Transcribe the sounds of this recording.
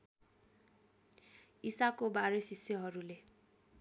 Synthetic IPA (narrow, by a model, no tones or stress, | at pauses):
isakobaɾesisjʌɦʌɾule